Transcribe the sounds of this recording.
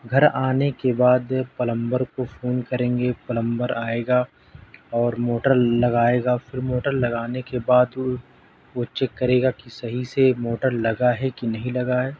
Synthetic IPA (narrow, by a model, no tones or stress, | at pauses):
ɡʱɐɾaːnekebaːd̪pɐlə̃mbəɾkofʰoːnkɐɾẽːŋɡepɐlə̃mbəɾaːeːɡa | ɔːɾmoːʈəɾlɐɡaːeːɡafɪɾmoːʈəɾlɐɡaːnekebaːd̪ | ot͡ʃekɐɾeːɡakisɐɦisemoːʈəɾlɐɡaɦɛkinɐɦĩlɐɡaɦɛː